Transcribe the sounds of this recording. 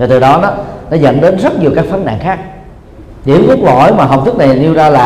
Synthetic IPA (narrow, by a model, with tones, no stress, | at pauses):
ve˨˩t̪ɨ˨˩ɗɔ˨˦nɔ˨˦nɔ˨˦zə̰˧˨nɗe˨˦nzə˦˥t̚ɲi˨˩əwkaː˦˥k̚fə˨˦˥na̰ː˧˨ŋxaː˦˥k̚ | ɗi˨˧˩ə˦mku˦˥k̚lɔ̰˧˨jmaː˨˩ɦə˨˩w̚t̪ʰk̚na˨˩jli˧əwzaː˧laː˨˩